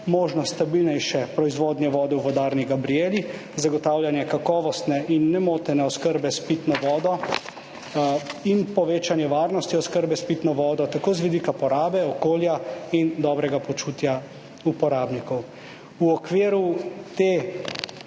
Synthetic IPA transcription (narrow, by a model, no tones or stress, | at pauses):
moːʒnɔst̪abilnɛjʃɛpɾɔizʋoːd̪njɛʋɔːd̪ɛwʋɔd̪aɾniɡabɾijeːli | zaɡɔt̪awljanjɛkakɔːʋɔst̪nɛʔinːɛmoːt̪ɛnɛɔskəɾbɛspit̪nɔʋɔːd̪ɔ | inpɔʋeːt͡ʃanjɛʋaːɾnɔst̪iɔskəɾbɛspit̪nɔʋɔːd̪ɔt̪akoːzʋid̪ikapɔɾaːbɛɔkoːljaind̪ɔːbɾɛɡapɔt͡ʃuːt̪ja | upɔɾaːbnikɔw | uɔkʋeːɾut̪eː